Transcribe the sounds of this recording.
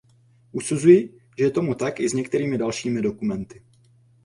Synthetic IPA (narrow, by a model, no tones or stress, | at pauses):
ʔusuzujɪ | ʒɛjɛt̪o̞mut̪akʔɪzɲɛk̚t̪ɛɾiːmɪdalʃiːmɪdo̞kumɛnt̪ɪ